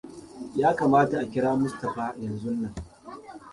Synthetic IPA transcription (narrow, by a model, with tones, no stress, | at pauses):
jaː˦kaː˨maː˦ta˨ʔa˨kʲɪ˦ɽaː˦mʊ˦stɐ˨ɸaː˦˨jɐ˨nzʊ˦nːɐ˨ŋ